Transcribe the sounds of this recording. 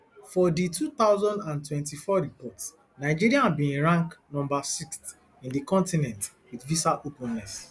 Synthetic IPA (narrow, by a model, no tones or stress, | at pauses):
fɔditʰut̪aʊzɔ̃ndãntwɛ̃ntifɔɹipɔts | naɪd͡ʒiɹiãbĩĩɹãŋknɔ̃mbasikst | ĩndikɔ̃ntinɛ̃nt | witvisaʔopũnːɛs